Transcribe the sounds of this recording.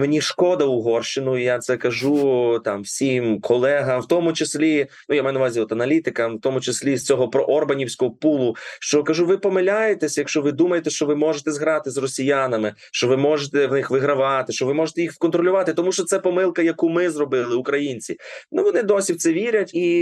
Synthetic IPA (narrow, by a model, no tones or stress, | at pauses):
menʲiʃkɔd̪ɐʊɦɔrʃɪnʊijat̪sɛkɐʒut̪ɑmwsʲimkʰɔlˠɛɦɐmwt̪ɔmʊt͡ʃesʲlʲinujamajnɐʋɑzʲiɔt̪ɐnɐlʲit̪ɪkɐmwt̪ɔmʊt͡ʃesʲlʲist͡sʲɔɦɔpɾɔʔɔrbɐnʲiwsʲkɔɦɔpulˠʊʃt͡ʃɔkɐʒuʋɪpɔmɪlʲajet̪ɛsʲjɐkʃt͡ʃɔʋɪd̪umɐjet̪ɛʃt͡ʃɔʋɪmɔʒet̪ɛzɦɾɑt̪ɪzrɔsʲijanɐmɪ | ʃt͡ʃɔʋɪmɔʒet̪ɛwnɪxʋɪɦɾɐʋɑt̪ɪʃt͡ʃɔʋɪmɔʒet̪ɛjixwkɔnt̪ɾɔlʲʊʋɑt̪ɪt̪ɔmuʃt͡ʃɔt̪sɛpɔmɪlˠkɐjɐkumɪzrɔbɪlˠɪʊkɾɐjinʲt͡sʲinuʋɔnɪd̪ɔsʲiwt̪sɛʋʲiɾʲɐtʲi